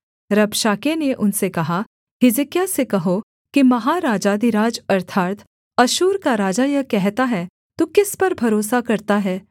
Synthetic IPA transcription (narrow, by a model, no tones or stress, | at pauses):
ɾɐbʃaːkeneʔʊnsekɐɦa | ɦɪzɪkjasekɐɦo | kimɐɦaɾaːd͡ʒaːd̪iɾaːd͡ʒɐɾt̪ʰaːɾt̪ʰ | ɐʃuːɾkaɾaːd͡ʒajɐkɛɦt̪aɦɛː | t̪okɪspɐɾbʱɐɾoːsakɐɾt̪aɦɛː